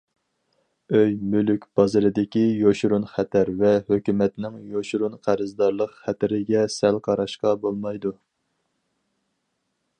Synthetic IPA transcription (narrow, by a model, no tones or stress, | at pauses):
øjmylykʲb̥ɑzɨɾɨd̪ɪkʲijoʃɾunχæt̪ʰæɾvɛhøkʲymɛt̪nɪŋjoʃuɾunqʰæɾɨzd̪ɑɾlˠəqχæt̪ʰɪɾɪɡʲɛsɛlqʰɑɾɑʃqɑbolˠmɑjd̪u